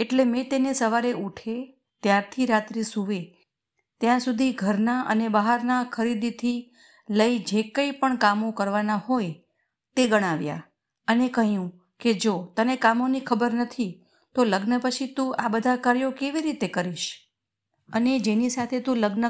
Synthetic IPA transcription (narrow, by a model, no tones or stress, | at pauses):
eʈlemɛ̃t̪enesəʋaɾeuʈʰe | t̪jaɾt̪ʰiɾat̪ɾisuʋe | t̪jãsud̪ʱiɡʱəɾnaʔə̰nebəɦaɾnakʰəɾid̪it̪ʰi | ləid͡ʒekəipəɳkamokəɾʋanahoj | t̪eɡəɽ̃aʋja̰ | ənekəɦjũ | ked͡ʒot̪ənekamonikʰəbəɾnət̪ʰi | t̪oləɡnəpət͡ʃʰit̪ũabəd̪ʱakaɾjokeʋiɾit̪ekəɾiʃ | əned͡ʒenisat̪ʰet̪ũləɡnə